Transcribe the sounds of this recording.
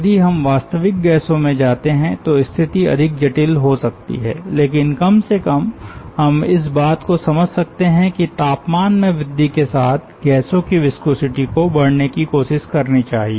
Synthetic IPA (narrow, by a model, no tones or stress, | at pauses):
jɐd̪iɦɐmʋaːst̪əʋɪk̚ɡɛːsõmẽd͡ʒaːt̪eɦɛ̃t̪oɪst̪ʰɪt̪iɐ̰d̪ʱɪk̚d͡ʒɐʈilɦosɐkt̪ḭɦɛ̰ːleːkɪnkɐmsekɐmɦɐmɪs̬baːt̪kosɐməd͡ʒʱsɐk̚t̪eɦɛ̃kit̪aːpmaːnmẽʋɪd̪ːikesaːt̪ʰɡɛːsõkiʋɪskoːsɪʈikobɐɽnekikoːʃɪʃkɐɾnit͡ʃaːɦieː